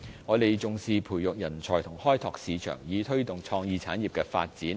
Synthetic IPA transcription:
ŋɔː˨˧t̪e˨jt͡sʊ˨ŋsiː˨˧pʰuː˨˩jjʊ˨k̚jɐ˨˩nt͡sʰɔː˨˩t̪ʰʊ˨˩ŋhɔː˥jt̪ʰɔː˨k̚siː˨˧t͡ʃʰœ̰ː˨˩ŋjiː˨˧t̪ʰɵ˥ɥt̪ʊ˨ŋt͡sʰɔː˧ŋjiː˨˧t͡sʰa̰ː˨˥njiː˨p̚kɛː˧fa̰ː˧t̚t͡siː˨˥n

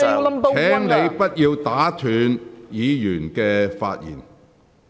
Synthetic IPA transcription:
t̪ʰɛː˨˥ŋne˨˧jpɐ˥t̚jiː˧wt̪aː˨˥t̪ʰyː˨njiː˨˧jyː˨˩nkɛː˧faː˧t̚jḭː˨˩n

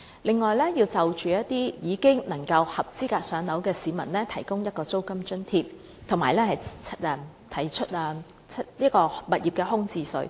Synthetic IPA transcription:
lɪ˨ŋːɔː˨jlɛː˥jiː˧wt͡sɐ˨wt͡ʃyː˨jɐ˥tt̪iː˥jiː˨˧kɪ˥ŋnɐ˨˩ŋkɐ˧whɐ˨p̚t͡siː˥kaː˧k̚sœː˨˥ŋnɐ˨˥wkɛː˧siː˨˧mɐ˨˩nlɛː˥t̪ʰɐ˨˩jkʊ˥ŋjɐ˥t̚kɔː˧t͡so˥wkɐ˥mt͡ʃɵ˥nt̪ʰiː˨p̚ | t̪ʰʊ˨˩ŋmaː˨˩jlɛː˥hɐ˨jt͡sʰɛ˧ | t̪ʰɐ˨˩jt͡ʃʰɵ˥t̚aː˧˥ | liː˥kɔː˧mɐ˨t̚jiː˨p̚kɛː˧ɦʊ˥ŋt͡siː˧sɵ̰˨˥ɥ

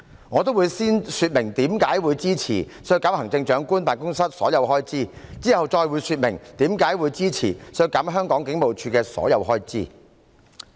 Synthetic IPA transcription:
ŋɔː˨˧t̪o˥wuː˨˧jsiː˥nsyː˧t̚mɪ˨˩ŋt̪iː˨˥mkaː˨˥jwuː˨˧jt͡siː˥t͡sʰḭː˨˩ | sɵ˧˥jkaː˨˥whɐ˨˩ŋt͡sɪ˧ŋt͡ʃœː˨˥ŋkuː˥npaː˨nkʊ˥ŋsɐ˥t̚sɔ̰ː˨˥jɐ˨˧wɦɔː˥jt͡siː˥˩t͡siː˥hɐ˨wt͡ʃɔː˧jwu˨˧jsyː˧t̚mɪ˨˩ŋt̪iː˨˥mkaː˨˥jwuː˨˧jt͡siː˥t͡sʰḭː˨˩sɵ˧kaː˨˥mɦœː˥ŋkɔː˨˥ŋkɪ˨˥ŋmo˨wt͡ʃʰyː˧kɛː˧sɔ̰ː˨˥jɐ˨˧wɦɔː˥jt͡siː˥

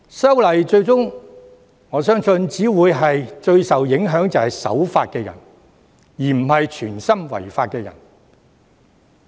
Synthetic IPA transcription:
sɐ˥wlɐ˨˩jt͡ʃɵ˧ɥt͡sʊ˥ŋ | ŋɔː˨˧sœː˥ŋsɵ˧nt͡siː˨˥wuː˨˧jɦɐ˨jt͡ʃɵ˧ɥsɐ˨wjɪ˨˥ŋɦœː˨˥ŋt͡sɐ˨whɐ˨jsɐ̰˨˥wfaː˧t̚kɛː˧jɐ̰˨˩n | jiː˨˩m̩˨˩hɐ˨jt͡ʃʰyː˨˩nsɐ˥mwɐ̰˨˩jfaː˧t̚kɛː˧jɐ̰˨˩n

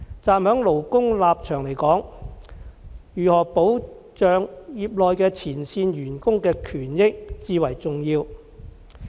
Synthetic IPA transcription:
t͡saː˧mhœː˨˥ŋlo˨˩wkʊ˥ŋlaː˨˧p̚t͡ʃʰœː˨˩ŋle˨˩jkɔː˨˥ŋ | jyː˨hɔː˨˩po˨˥w | t͡ʃœː˨ŋjiː˧p̚lɔː˨˧jkɛː˧t͡sʰiː˨˩nsiː˧njyː˨˩nkʊ˥ŋkɛː˧kʰyː˨˩njɪ˥k̚t͡siː˧wɐ˨˩jt͡sʊ˨ŋjiː˧w

